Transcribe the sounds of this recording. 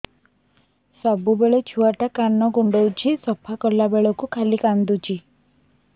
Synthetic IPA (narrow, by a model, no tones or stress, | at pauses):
sɔbubeɭɔt͡ʃʰuaʈakanːɔɡuɳɖɔwt͡ʃʰisɔpʰakɔɾlabeɭɔkukʰalikand̪ut͡ʃʰi